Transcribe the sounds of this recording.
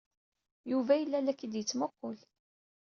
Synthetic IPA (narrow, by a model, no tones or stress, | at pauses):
juvæjəlːælːækːid̪jət͡sːmoqːol